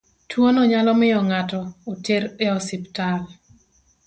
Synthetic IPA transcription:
tʰwonɔɲalɔmɪjɔŋatɔoteɾeɔsɪptal

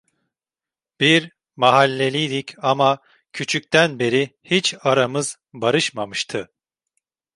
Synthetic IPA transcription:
b̥iɾ | maɦalʲːe̞lʲijd̪icama | cʰyt͡ʃʰyc̚ʲt̪ʰænbe̞ɾihit͡ʃaɾamɯz | baɾɯʃmamɯʃt̪ʰɯ

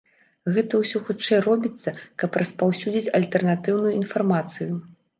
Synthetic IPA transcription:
ɣɛt̪ɐwsʲɔxut͡ʂɛjrɔbʲit̪sːɐkɐprɐspawsʲud͡zʲit͡sʲɐlʲt̪ɛrnat̪ɨwnujuinfarmat̪sɨju

